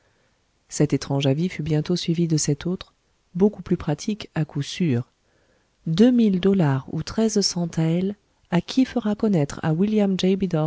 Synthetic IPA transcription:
sɛt̪et̪χɑ̃ʒavifybjɛ̃t̪osɥivid̪əsɛt̪ot̪χ | bokuplypχat̪ʰikakusyːʁ | d̪ømild̪ɔlaʁṵt̪χɛzsɑ̃t̪aɛl | akʲʰifəʁakɔnɛt̪χa̰wiljamʒɛjbid̪ɔ

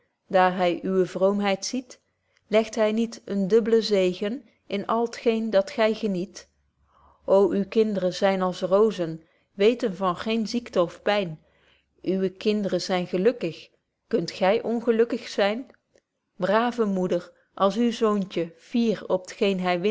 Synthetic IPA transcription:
d̥aːɹɦɛjʔyʋəvrowmɦɛjtsit | lɛχtɦɛjnitəndɵbələzejɣən | ɪnɑlˠətχejndɑtχɛjχənit | ʔowʔywkɪndərənzɛjnɑlˠsrowzən | ʋejtənvɑnχejnziktəɔfpɛjn | ʔyʋəkɪndərəzɛjnχəlɵkəχ | kɵntχɛjʔɔnχəlɵkəχsɛjn | braːvəmudəɹ | ʔɑlˠsywzowncəv̥iːrɔpətχejnɦɛjʋɪ

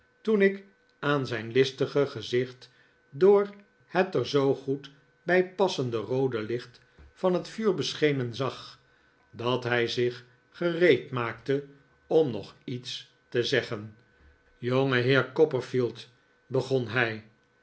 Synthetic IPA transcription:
tunɪk | aːnzɛjnlɪstəχəχəzɪχt | dʊːɹ | hətəɹzowχut | bɛjpɑsəndərowdəlɪχt | fɑnɦətfyːɹbəsχejnənzɑχ | dɑtɦɛjzɪχ | χərejtmaːk̚tə | ɔmnɔ̰χits | təzɛχən | joŋəɦɪːɹkɔpəɹfilˠt | bəχɔnɦɛj

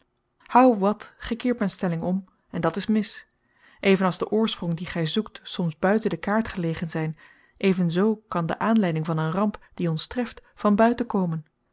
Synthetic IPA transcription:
hɑwʋɑtχɛkɪːɹt̚mɛjnstɛlɪŋɔm | ɛndɑtɪsmɪs | ʔejvənɑlˠzdəʔʊːɹsprɔŋdiχɛjzuktsɔmzbœɥtəndəkaːɹtχəlejχənzɛjn | ʔejvənzowkɑndə̰ʔaːnlɛjdɪŋvɑnənrɑmpd̥iɔnstrɛftfɑnbœɥtəkoːwmən

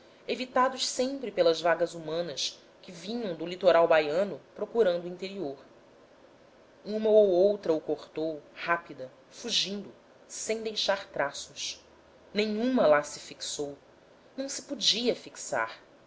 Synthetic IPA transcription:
evit̪ad̪ʊʃsẽmpɾɪpelɐzvaɡɐzumɐ̃nɐʃ | kɪvĩɲɐ̃w̃d̪ʊlit̪oɾawbajɐ̃nʊpɾokuɾɐ̃nd̪ʊuĩnt̪eɾioɾ | ũmɐowowt̪ɾɐukoχt̪owhapid̪ɐ | fuʒĩnd̪ʊ | sẽj̃d̪ejʃaɾt̪ɾasʊʃ | nẽɲũmɐlasɪ̥fiksow | nɐ̃w̃sɪ̥pud͡ʒiɐfiksa̰ɾ

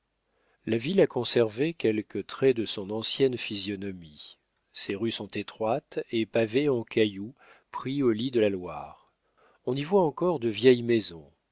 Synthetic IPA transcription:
lavilakɔ̃sɛʁvekʲɛlkət̪χɛd̪əsɔ̃nɑ̃sjɛnfizjɔnɔmi | seʁysɔ̃t̪et̪χwat̪epaveɑ̃kʲaju | pχiolid̪əlalwa̰ːʁ | ɔ̃nivwaɑ̃kɔʁd̪əvjɛjmezɔ̰̃

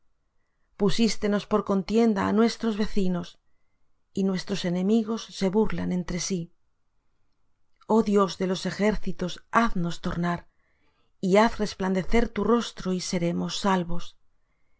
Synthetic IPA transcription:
pusist̪e̞no̞spo̞ɾko̞nt̪je̞nd̪aːnwe̞st̪ɾo̞zβe̞θino̞s | inwe̞st̪ɾo̞se̞nẽ̞miɣ̞o̞sːe̞βuɾlanẽ̞nt̪ɾe̞si | o̞ðjo̞zðe̞lo̞se̞xe̞ɾθit̪o̞saθno̞st̪o̞ɾnaɾ | iaθre̞spland̪e̞θe̞ɾt̪uro̞st̪ɾoise̞ɾe̞mo̞sːalβo̞s

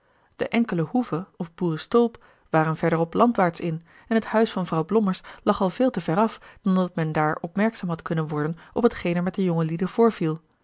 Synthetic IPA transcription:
d̥ə̰ʔɛŋkələhuvəɔfbuːrəstolˠp | ʋaːrənvɛɹdəɹɔplɑntʋaːɹtsɪn | ɛnɦəthœɥsfɑnvrɑwblɔməɹslɑχɑlˠv̥ɪːlˠtəvɛɾɑfd̥ɑndɑtmɛndaːɹɔpmɛɹksaːmɦɑtkɵnənʋɔɹdənʔɔpɦətχejnɛɹmɛt̚dəjʊŋəlidəv̥ʊːɹv̥ilˠ

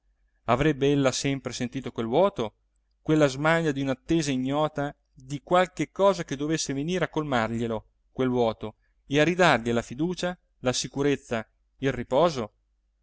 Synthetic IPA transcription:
avɾɛbːeelːasɛmpɾesent̪iːt̪okwelvwɔːt̪o | kwelːazmaʎːad̪iunat̪ːeːzaiɲːɔːt̪a | d̪ikwalkekːɔːzak̟ed̪ːovesːeveniːɾeakːolmarʎelo | kwelvwɔːt̪o | earid̪arʎelafid̪uːt͡ʃa | lasikuɾet̪sːa | ilripɔːzo

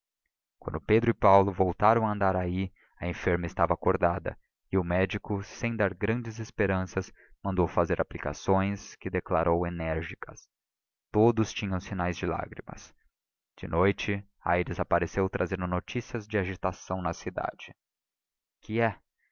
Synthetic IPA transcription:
kwɐ̰̃nd̪ʊped̪ɾʊɪpawlʊvowt̪aɾɐ̃w̃ɐ̃nd̪aɾai | ɐẽfeɾmɐɪst̪avɐakoɾd̪ad̪ɐ̰ | ɪʊmɛd͡ʒikʊsẽj̃d̪aɾɡɾɐ̃d͡ʒɪzespeɾɐ̃sɐs | mɐ̃nd̪owfazeɾʔaplika̰sõj̃skɪd̪eklaɾʔowenɛɾʒikʰɐs | t̪od̪ʊst͡ʃĩɲɐ̃w̃sinajzd͡ʒɪla̰ɡɾḭmɐ̰s | d͡ʒ̥ɪnojt͡ʃɪ | a̰jɾɪzapaɾesewt̪ɾʔazẽnd̪ʊnot͡ʃisiɐzd͡ʒɪaʒit̪asɐ̃w̃nɐsid̪a̰d͡ʒɪ | kʰɪɛ

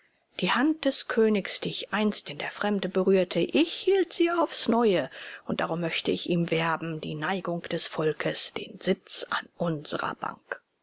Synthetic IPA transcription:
d̥iːhant̚d̥ɛskʰøːnɪçsd̥iːɪçʔaɪnstɪndeːɐfʁ̥ɛmdəbəʁyːɐtʰəʔɪçhiːltz̥iːaʊfsnɔʏəʔʊnt̚d̥aʁʊmːœçtəɪçʔiːmvɛɐbm̩diːnaɪɡʊŋkd̥ɛsfɔlkʰəsd̥eːnz̥ɪt͡sa̰nʔʊnzəʁɐ̰b̥a̰ŋk

